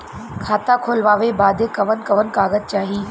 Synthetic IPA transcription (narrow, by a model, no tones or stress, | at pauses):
kʰaːt̪akʰoːlʋaːʋebaːd̪ʱekɐʋənkɐʋənkaːɣəz̚t͡ɕaːɦiː